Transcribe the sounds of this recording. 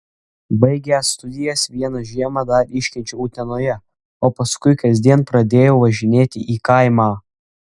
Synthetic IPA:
bɐɪɡʲɛːst̪ʊd̪ʲɪjɛsʋʲiɛnɐʒʲiɛmɑd̪ɐɾɪʃʲkʲɪnʲt͡ʃʲɛuːt̪ʲɛnoːjɛ | oːpɐskʊɪkɐzʲd̪ʲiɛnpɾɐd̪ʲeːjoːʋɐʒʲɪnʲeːt̪ʲɪʔiːkɐɪmɑː

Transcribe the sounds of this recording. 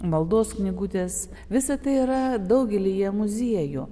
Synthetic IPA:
mɐlˠd̪oːsknʲɪɡuːt̪ʲeːs | ʋʲɪsɐt̪ɐɪiɾɐd̪ɐʊɡʲɛlʲijɛmʊzʲiɛju

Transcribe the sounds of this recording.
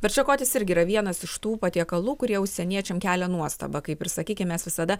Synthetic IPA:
bʲɛɾt͡ʃʲɛkoːt̪ʲɪsɪɾʲɡʲɪiːɾɐʋʲiɛnɐsɪʃt̪uːpɐt̪ʲiɛkɐlˠuːkʊɾʲiɛʊʃʲsʲɛnʲiɛt͡ʃʲɛmkʲæːlʲɛnuɔst̪ɐ̰bɐkɐɪpɪɾsɐkʲiːkʲɪmʲɛsʋʲɪsɐd̪ɐ

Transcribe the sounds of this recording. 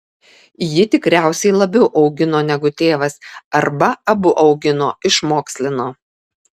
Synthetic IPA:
jɪt̪ʲɪkɾʲæˑʊsʲɛɪlˠɐbʲɛʊʔɒʊɡʲɪnoːnʲɛɡʊt̪ʲeːʋɐsɐɾbɐɐbʊʔɒʊɡʲɪnoːɪʃmoːksʲlʲɪnoː

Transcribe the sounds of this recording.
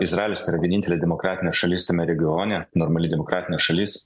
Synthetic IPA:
ɪsɾɑːlʲoːsʲiːɾɐʋʲiɛnɪnʲt̪ʲɛlʲeːd̪ʲɛmɔkɾɑːt̪ʲɪnʲeːsʃɐlʲiːst̪ʲɐmʲɛɾʲɛɡʲɪoːnʲɛnɔɾmɐlʲɪd̪ʲɛmɔkɾɑːt̪ʲɪnʲeːsʃɐlʲis

